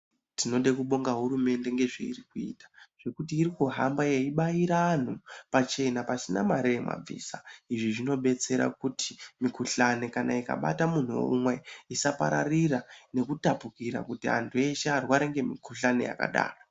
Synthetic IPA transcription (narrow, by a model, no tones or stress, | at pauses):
tʰino̞ɗekuɓo̞ŋɡaɦuɾume̞nde̞ŋɡe̞ʐḛḭrikuḭːtḁʐ̥e̞kutiːɾikuɦambaje̞iɓaiɾaːn̤upat͡ʃe̞napasinamaɾejema̰b͡vḭːsaiʐiʐino̞ɓe̞t͡se̞ɾa̰kutʰi̥mikuɬane̞kana̰ika̰ɓa̰tamun̤uwo̰umwe̞isapa̰ɾarirane̞kutapukiɾa̰kutiɦa̰ntʰue̞ʃearwaɾeŋɡe̞mikuɬane̞̰ja̰ka̰ɗa̰ːro